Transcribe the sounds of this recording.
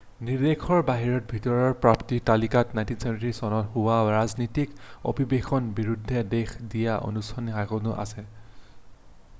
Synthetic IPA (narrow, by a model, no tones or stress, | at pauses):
niɹdekʰɔɹbaɦiɹɔt̚bʱitɔɹɔɹpɹaptitalikatnajntinsemtɹisɔnɔthuwaɹaznitiko̰bʱibexʰɔnbiɹudʱːɛdexdijaʔo̰nustʰanixakɔnʊʔa̰sɛ